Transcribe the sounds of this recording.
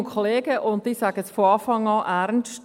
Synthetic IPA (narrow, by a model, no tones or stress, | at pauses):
nkʰoleːɡ̥əʔʊnd̚diːsæɡ̥əsfɔɑːfɑŋɑːʔæɾnʃt